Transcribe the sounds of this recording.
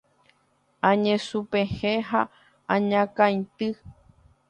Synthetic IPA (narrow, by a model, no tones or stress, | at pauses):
ãɲẽsupeheɦa | ãɲãkãjt̪ɨ